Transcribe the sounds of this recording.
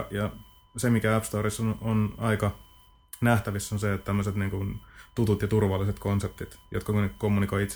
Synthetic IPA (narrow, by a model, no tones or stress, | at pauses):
jɑ | semikææpst̪oːrisːononɑikɑ | næht̪æʋisːonset̪t̪æmːøset̪niːŋkunt̪ut̪ut̪jɑt̪urʋɑlːˑiset̪konsep̚t̪it̪jʔo̰t̪kɑkunkomːunikoiit̪s